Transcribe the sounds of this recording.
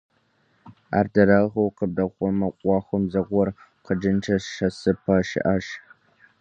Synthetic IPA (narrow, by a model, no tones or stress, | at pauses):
a̰ːrdɐɾɐʁɐwqəb̚dɐχʷɔmɐqʷʼɑːxʷɔmzɐʁʷɔrqəd͡ʒɨnt͡ʃʰɐʃɐsɨpʰɐʃɪ̰ʔaʃ